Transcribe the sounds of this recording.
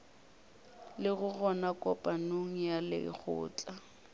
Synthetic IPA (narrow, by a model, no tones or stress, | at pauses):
lɪɣʊɣɔnakʼɔpʼanoŋ̩jalɪ̰k͡xʰʊ̰ːt͡ɬʼa